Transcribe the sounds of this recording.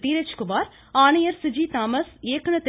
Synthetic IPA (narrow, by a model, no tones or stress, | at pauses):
t̪iːɾɐt͡ʃkʊʋaːɾ | aːnɐjɐɾsɪd͡ʒiːt̪aːmɐseːkɐɳɐt̪ɪ